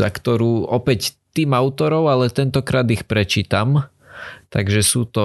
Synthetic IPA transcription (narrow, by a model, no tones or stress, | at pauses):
a̰kt̪ɔɾuːɔpɛct̪iːmaʊt̪ɔɾɔʊalɛt̪ɛnt̪ɔkɾaːd̪ixpɾɛt͡ʃiːt̪am | t̪aɡʒɛsuːt̪ɔ